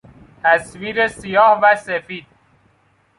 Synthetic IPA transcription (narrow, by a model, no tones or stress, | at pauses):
t̪ʰæsviːɾesijɒːhvæsefiːd̪̥̚